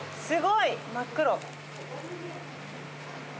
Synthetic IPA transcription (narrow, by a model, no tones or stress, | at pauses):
sɨɡoimakːɯɾo